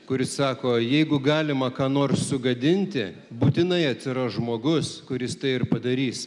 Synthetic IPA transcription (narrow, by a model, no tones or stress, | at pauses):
kʊɾʲɪssɑːkoːjɛɪɡʊɡɑːlʲɪmɐkɑːnoːrssʊɡɐd̪ʲɪnʲt̪ʲɪ | buːt̪ʲɪnɐɪɐt̪ʲsʲɪɾɐʒmoːɡʊskʊɾʲɪst̪ɐɪɪrpɐd̪ɐɾʲiːs